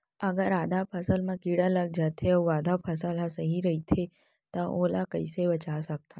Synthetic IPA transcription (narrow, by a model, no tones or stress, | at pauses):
əɡəɾaːd̪ʱapʰəsəlmãkiɽaləɡ̚d͡ʒat̪ʰeəʋʋaːd̪ʱapʰəsəlɦasəɦiɾəɦit̪ʰe | t̪ə̃ʔolakəiseʋət͡ʃasək̚t̪ʰa